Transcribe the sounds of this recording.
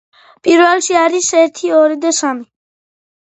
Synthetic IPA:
pʼiɾvɛlʃiaɾisɛɾt̪ʰiɔɾid̪asami

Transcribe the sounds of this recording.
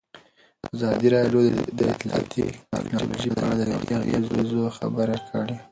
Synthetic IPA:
azɑd̪iɾɑɖjod̪əɪt̪lɑ̰t̪ʰiɛ̰knɑlo̰ʒid̪aɽad̪əja̰wja̰ɣazzoxabəɾakʰəɽe

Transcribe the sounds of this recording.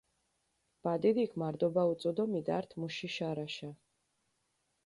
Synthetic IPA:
b̥ad̪idiːkʰmaɾd̪ɔbaut̪sʼɔd̪ɔmid̪a̰ɾt̪ʰmuʃiʃaɾaʃa

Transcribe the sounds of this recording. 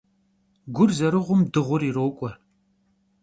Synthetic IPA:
ɡʷʊrzɐɾɨʁʷʊmdɨʁʷʊɾiroːwkʷʼɔr

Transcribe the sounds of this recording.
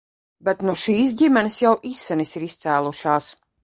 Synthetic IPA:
bɛt̪nuʃiːs̬ɟimʲɛnɪsjawʔisːɛnisiɾist̪sæːlˠuʃaːs

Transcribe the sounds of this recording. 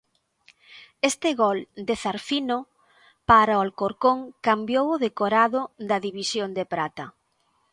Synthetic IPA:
est̪ɪɣɔld̪eθaɾfino | paɾaoalkoɾkoŋkambjowʊðekoɾaðʊd̪ɐðiβisjond̪epɾat̪ɐ

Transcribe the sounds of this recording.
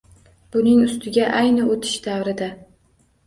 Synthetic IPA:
b̥ʊnɪŋʊst̪ʰɪɡʲaʔajnɪot̪ʰɪ̥ʃd̪avɾɪd̪a

